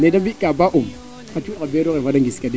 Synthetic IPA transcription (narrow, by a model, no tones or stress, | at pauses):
nedambikabaʔum | kat͡ʃuɗabeɾoɣevadaŋɡiskade